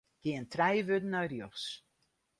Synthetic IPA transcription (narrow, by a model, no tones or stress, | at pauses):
ɡ̥iəntʰrɛjʋødən̩ɔjrjoxs